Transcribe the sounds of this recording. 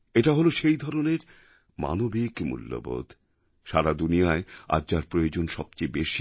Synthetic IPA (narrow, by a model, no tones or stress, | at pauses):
eʈaɦoloʃejd̪ʱɔɾoneɾ | ma̰nobikmṵlːo̰bo̰d̪ʱ | ʃaɾad̪unijaea̰d͡ʑaɾpɾojod͡ʑonʃɔb̚t͡ɕejbeʃi